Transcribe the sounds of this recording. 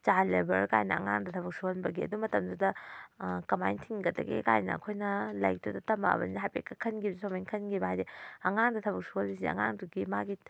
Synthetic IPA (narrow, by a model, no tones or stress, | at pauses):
t͡ʃaɾlebɐɾka̰jnɐɐ̰ŋa̰ŋdɐtʰɐbɐk̚suonbɐɡiɐ̰dumɐtɐmdudɐ | kɐmajntʰiŋɡɐdɐ̰ɡḭka̰jnɐ̰ɐ̰kʰojnɐlɐjk̚tudɐtɐma̰bɐ̰niɦajpekɐkʰɐnɡibzsʰomajŋkʰɐnɡibɦajdeɐŋaŋdɐtʰɐbɐk̚suolbisiɐ̰ŋa̰ŋduɡimaɡi